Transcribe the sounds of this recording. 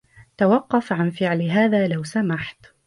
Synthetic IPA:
t̪awɑqːɑfʕanfɪʕlɦaːðaːlawsamaħt̪

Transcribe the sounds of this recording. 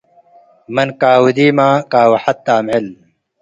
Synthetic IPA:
mɐnkaːwud̪iːmaːkaːwɐħɐt̪ːaːmel

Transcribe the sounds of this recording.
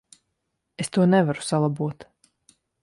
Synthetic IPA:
est̪uɔnɛvaɾu̥salˠabuɔt̪

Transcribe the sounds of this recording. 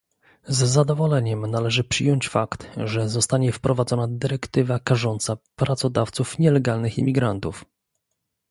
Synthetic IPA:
zːad̪ɔvɔlɛɲɛmnalɛʐɘpʂɘjɔɲt͡ɕfakt̪ʐɛzɔst̪aɲɛfpɾɔvad̪zɔnad̪ɘɾɛkt̪ɘvakaʐɔnt̪sapɾat̪sɔd̪aft̪sufɲɛlɛɡalnɘxḭmʲiɡɾant̪uf

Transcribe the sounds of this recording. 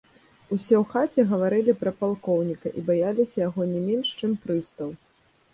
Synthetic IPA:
usʲɛwxat͡sʲɛɣɐvaɾɨlʲipɾɐpalˠkɔwnʲikɐʔibajalʲisʲɐjaɣɔnʲɛmʲɛnʂt͡ʂɨmpɾɨst̪ɐw

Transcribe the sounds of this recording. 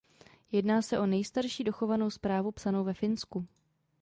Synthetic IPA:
jɛdnaːsɛʔo̞nɛjst̪aɾʃiːdo̞xo̞vano̞wspɾaːvupsano̞wvɛfɪnsku

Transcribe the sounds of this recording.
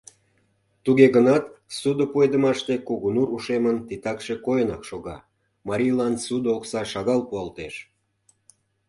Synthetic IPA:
t̪uɣeɣənɑt̪sud̪əpued̪əmɑʃt̪ekuɣunuɾuʃemənt̪it̪ɑkʃekojənɑkʃoɣɑ̰ | mɑɾʲijlɑnsud̪oksɑʃɑɣɑlpuɑlt̪eʃ

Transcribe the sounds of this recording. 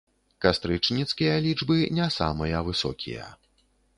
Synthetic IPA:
kast̪ɾɨt͡ʂnʲit̪skʲijɐlʲid͡ʐbɨnʲasa̰mɨjɐvɨsɔ̰kʲḭjɐ̰

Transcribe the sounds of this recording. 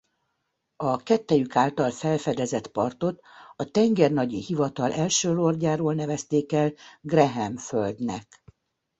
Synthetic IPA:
ɒkɛt̪ːɛjykaːlt̪ɒlfɛlfɛd̪ɛzɛt̪pɒrt̪o̞t̪ɒt̪ɛŋɡɛrnɒɟihivɒt̪ɒlʔɛlʃøːlorɟaːɾoːlnɛvɛst̪eːkɛlɡrɛɦɛmføld̪nɛ̰k

